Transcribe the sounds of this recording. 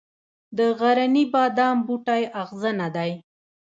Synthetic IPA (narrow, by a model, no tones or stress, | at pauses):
d̪əɣaɾanibɑd̪ɑmbuʈajaɣzənad̪aj